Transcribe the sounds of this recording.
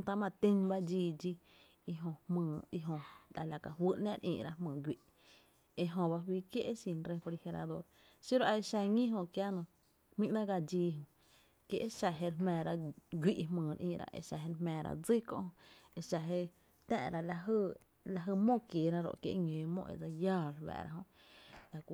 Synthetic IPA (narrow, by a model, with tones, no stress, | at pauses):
t̪a˧mã˧˨t̪ĩ˦nba˦d͡ʒiː˧˨d͡ʒi˧ | i˧ɦõ˧hmɨ̃ː˧˨i˧ɦõ˧la˨la˨ka˧ɦwɨ˦˧ʔnã˦˧ɾʔḭ̃ː˧ʔɾa˧hmɨ̃ː˨ɡʷi˧ʔ | e˧ʔɦõ˧ba˧wiː˧kje˦ʔe˦ʃĩ˧˨nɾe˧po˧li˧he˧ɾa̰˧d̪o̰˧˦ɾ | si˦ɾo˧a˧e˧ʃa˧ŋĩ˦ɦõ˧kja˦nõ˧˨ | mĩ˦ʔnã˦ɡa˧d͡ʒiː˧ɦõ˧˨ | kje˧ʔe˦ʃa˧ɦe˧ɾhmɛ̃ː˧˨ɾa˧ɡʷi˦ʔmɨ̃ː˨˧ɾʔḭ̃ː˧˨ɾa̰˧ʔḛ˧˨ʃa˧˨ɦe˧ɾmɛ̃ː˧˨ɾa̰˧d͡zi˦kõ̰˧ʔhõ˧e˧ʃa˧ɦe˧ | t̪ɛ̰̃ː˧˨ɾa˧la˧ɦə˧ | la˧ɦə˧mõ˦˨kjeː˨ɾa˦ɾo̰˨ʔkjḛ˧ʔŋẽː˨mõ̰˦˧ʔḛ˨d͡za˧jaː˦˧˨ɾwa̰ː˨ɾa̰˧ɦõ˧ʔ | la˧˨kʷ